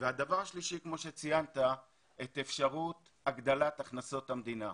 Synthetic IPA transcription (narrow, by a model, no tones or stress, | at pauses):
vead̪avaʁaʃliʃikmo̞ʃe̞t͡sijant̪a | et̪efʃaʁut̪ | aɡd̪alat̪aχnaso̞t̪hamd̪ina